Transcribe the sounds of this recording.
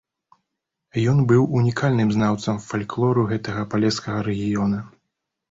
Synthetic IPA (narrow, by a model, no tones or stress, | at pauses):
jɔnbɨwunʲikʰalʲnɨmznawt̪sɐmfalʲklˠɔɾuɣɛt̪ɐɣɐpalʲɛskɐɣɐɾɛɣʲijɔnɐ